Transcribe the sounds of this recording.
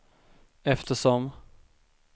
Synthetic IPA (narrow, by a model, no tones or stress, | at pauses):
ɛft̪əʂɔm